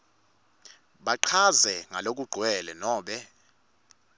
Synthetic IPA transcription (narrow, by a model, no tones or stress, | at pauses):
ɓaǃʰazɛŋalok̬ʼuɡ͡ǃʱwɛlɛnɔːɓɛ